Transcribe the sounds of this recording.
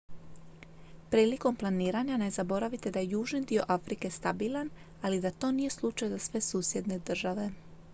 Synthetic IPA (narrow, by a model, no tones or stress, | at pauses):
pɾiːliko̞mplˠaniːɾaɲane̞zabo̞ɾaʋit̪e̞d̪ajejuːʒnid̪io̞ʔafɾike̞st̪abiːlˠan | alid̪at̪o̞ːnije̞slˠut͡ʃajzasʋe̞suːsje̞d̪ne̞d̪r̩ʒaʋe̞